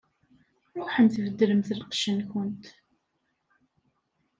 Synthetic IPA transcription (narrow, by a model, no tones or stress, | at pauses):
ɾˤʊħənθvəd̪ːɾəmθəlqʃənkʊnt̪